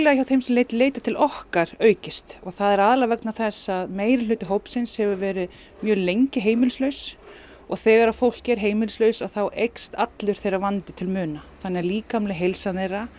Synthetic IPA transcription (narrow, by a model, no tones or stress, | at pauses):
laçawθejmsɛmleːjt̪leːjt̪at̪ʰɪlʔɔhkaɾ̥œːɥcɪst̪ɔɣθaðɛɾaðlavɛknaθɛsːaðmeːjɾɪlʏːt̪ɪɦowpsɪnshɛvʏvɛːɾɪð | mjœːlejɲcɪɦeːjmɪlslœɥs | ɔɣθɛːɣaɾafowl̥cɪɛɾ̥ɦeːjmɪlslœɥsaθawʔejkst̪at̪lʏɾ̥θejravant̪ɪt̪ʰɪlmʏːnaθanːɛaɾliːkamlɪɦejlsanejra